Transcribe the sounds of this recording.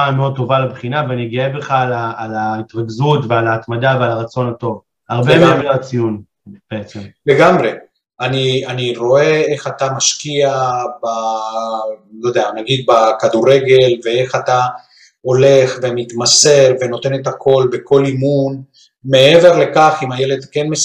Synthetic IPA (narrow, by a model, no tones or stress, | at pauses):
ameod̚t̪o̞valabχinaveaniɡiebeχalaalait̪ʁaɡzutvealaːt̪mad̪avealaʁat͡so̞nat̪o̞v | haʁbemeamiat͡sijun | b̥eet͡semle̞ɡamʁe̞ | anianiʁo̞e̞e̞χat̪amaʃkiaba | jod̪eanaɡid̪̚bakad̪uʁe̞ɡe̞lve̞e̞χat̪a | o̞le̞χve̞mit̪mase̞ʁve̞no̞t̪e̞net̪akʰo̞lbe̞ko̞limun | me̞e̞ve̞ʁle̞kaχimaje̞led̪kenme